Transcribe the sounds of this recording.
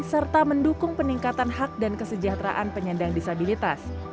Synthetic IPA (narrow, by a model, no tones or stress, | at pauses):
sərt̪aməndukʊŋpəniŋkat̪anɦak̚dankəsəd͡ʒaht̪ɾa̰ʔanpəɲandaŋdisabilit̪as